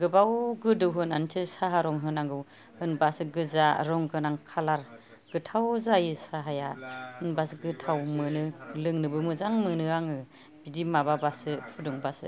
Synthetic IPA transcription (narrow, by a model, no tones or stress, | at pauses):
ɡɯbawɡɯdɯwɦɯnantʰɯsaɦaɾɔŋɦɯnaŋɡɯw | hɯnbasɯɡɯzaɾɔŋɡɯnaŋkʰalaɾ | ɡ̥ɯtʰawzajɯsaɦajahɯnbasɡɯtʰawmɯnɯlɯŋnɯbɯmɯzaŋmɯnɯaŋɯ | bidimababasɯpʰudɔŋbasɯ̰